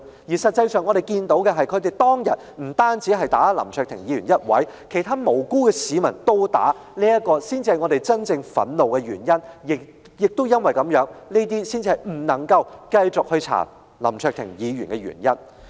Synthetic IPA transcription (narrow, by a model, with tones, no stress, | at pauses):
jiː˨˩sɐ˨t̚t͡sɐ˧jsœː˨ŋɔː˨˧ɾe˨˩jkiː˧nt̪o˨˥wkɛ˧ɦɐ˨jkʰɵ˨˧t̪e˨jt̪ɔː˥ŋjɐ̰˨t̚m̩˨˩t̪aː˥nt͡siː˨˥ɦɐ˨jt̪aː˨˥lɐ̰˨˩mt͡ʃʰœː˨kt̪ʰɪ˨˩ŋjiː˨˧ɥyː˨˩njɐ˥t̚wɐ̰˨˥jkʰe˨˩jt̪ʰaː˥mo˨˩wkuː˥kɛː˧siː˨˥mɐ˨˩nt̪o˥wt̪a̰ː˨˥ | liː˥jɐ˥t̚kɔː˧siː˥nt͡si˧hɐ˨jŋɔː˨˧t̪e˨˩jt͡sɐ˥nt͡sɪ˧ŋfɐ̰˨˥nlo˨wkɛ˧ɥyː˨˩njɐ˥njɪ˨ | jɪ˨˩k̚t̪o˥wjɐ˥nwɐ˨˩jkɐ˨˥mjœː˨˥ŋni˥t̪̬iː˥siː˥nt͡si˧hɐ˨jm̩˨˩nɐ˨˩ŋkɐ˧wkɐ˧jt͡sʊ˨k̚hɵ˧ɥt͡sʰa̰ː˨˩n | lɐ˨˩mt͡ʃʰœː˧k̚t̪ʰɪ˨˩ŋjiː˨˧jy̰˨˩nkɛ˧ɥy̰ː˨˩njɐ˥n